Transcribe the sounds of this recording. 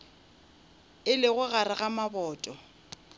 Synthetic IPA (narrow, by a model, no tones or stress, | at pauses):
ɪlɪɣʊɣaɾɪɣamabɔːtʼɔ